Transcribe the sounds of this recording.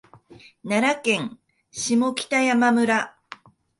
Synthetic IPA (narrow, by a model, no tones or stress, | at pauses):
naɾakẽ̞ŋ | ɕimo̞kʲi̥t̪ajamamɯ̟ɾa